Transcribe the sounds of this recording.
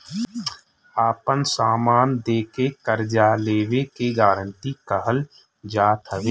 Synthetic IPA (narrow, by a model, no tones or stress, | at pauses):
aːpənsaːmaːnd̪eːkekəɾd͡ʒaːleːʋekeɡaːɾə̃ɳʈikəɦəl | d͡ʒaːt̪ɦəʋeː